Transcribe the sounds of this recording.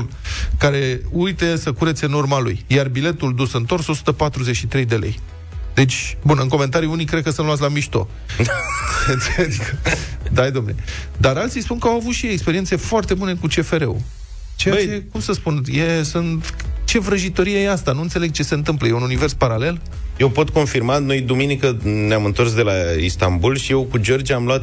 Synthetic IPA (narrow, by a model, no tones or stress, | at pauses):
l | kaɾe̞ujt̪e̞səkuɾet̪sʲɨnurmalṵjjarbile̞t̪uld̪usɨnt̪o̞rso̞su̥t̪əpat̪ɾuze̞t͡ʃʃit̪ɾe̞jd̪e̞le̞̰j | d̪e̞t͡ʃʲbunɨŋko̞me̞nt̪aɾiunijkɾekəsɨnluat̪̬ʲlamiʃt̪o̞̰ | ɨnt̪seleɡd̪ajd̪omne̞̰d̪aɾalt̪sijspunkəawavut̪ʃiekspeɾiense̞foart̪e̞bune̞kut͡ʃe̞fe̞ɾe̞̰ṵ | t͡ʃeaekumsəspunjesunt̪t͡ʃe̞vɾəʒit̪o̞ɾijejeast̪anuɨnt̪se̞leɡ̚t͡ʃe̞se̞ɨnt̪̬ɨmpləje̞ununive̞rspaɾale̞l | je̞wpo̞t̪ko̞nfirmano̞jd̪uminikəneamɨnt̪o̞rs̬d̪e̞laist̪ambulʃije̞wkud͡ʒo̞rd͡ʒamluat̪̚